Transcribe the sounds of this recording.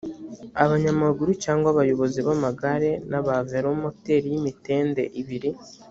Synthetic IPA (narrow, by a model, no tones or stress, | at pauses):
aβaɲamaɡuɾucaːŋɡwaβajo̞βo̞ziβamaɡaɾe̞naβaveɾomo̞te̞ːɾijimite̞ːnde̞̰ʔiβiɾi